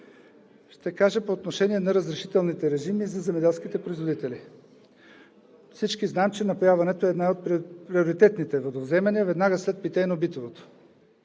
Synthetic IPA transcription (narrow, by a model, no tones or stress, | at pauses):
ʃt̪ɛkaʒəpoːt̪noʃɛnʲiɛnɐɾɐzɾɛʃi̥t̪ɛlˠnit̪ɛɾɛʒimizɐzɛmɛd̪ɛlˠsk̟it̪ɛpɾoizvod̪it̪ɛli | fsit͡ʃkiznamt͡ʃɛnɐpojavɐnɛt̪oɛːd̪najot̪̚pɾpɾioɾit̪ɛt̪nit̪ɛvod̪ovzɛmɐniəvɛd̪naɡəslɛt̪̚pit̪ɛnɐobit̪ovot̪o̥